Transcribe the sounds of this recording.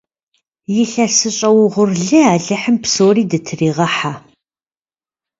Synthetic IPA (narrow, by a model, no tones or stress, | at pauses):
jɪɬɐsɨɕʼɐwʊʁʷʊrɮɨaːɮɨħəmpsoːriːdɨtʰɨriːʁɐħa